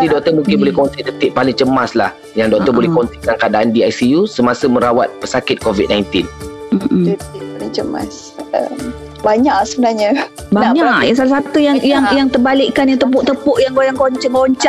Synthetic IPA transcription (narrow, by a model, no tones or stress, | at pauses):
didɔk̚t̪əmũŋkɪnbolɛhkɔnsidət̪ɪʔ̚palɪŋt͡ʃəmaslah | jaŋdɔʔ̚t̪əbolɛhkɔnsi̥kankəadaʔandiajsijusəmasəmə̃ɾawat̪̚pəsakɪt̪̚kovit̪̚najnt̪ɪn̩m̩ət̪iʔ̚palɪŋt͡ʃəma̰s | ə̰m | baɲaʔsəbənaɲə | baɲaʔjasalas̬at̪ujaŋjaŋjaŋt̪ərbalɪʔkanjat̪əp̬ʊʔt̪əpʊʔjaŋɡojaŋkoɲt͡ʃəkoɲt͡ʃaʔ